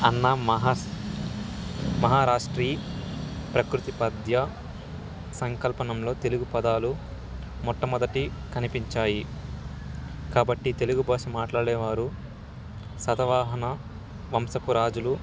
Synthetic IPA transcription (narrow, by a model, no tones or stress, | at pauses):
ɐnːɐɦ | mɐɦaːɾaːʂʈɾiː | pɾɐkɾut̪ipɐd̪ʱjɐ | sɐŋkɐlpɐnɐmlo̞ːt̪e̞luɡupɐd̪aːlu | mɔʈːɐmɔd̪ɐʈi | kɐnipiɲt͡ʃaːji | kaːbɐʈːit̪e̞luɡubʱaːʂɐmaːʈlaːɽɛːʋaːɾu | sɐt̪ɐʋaːɦɐnɐ | ʋɐmsɐpuɾaːd͡ʒulu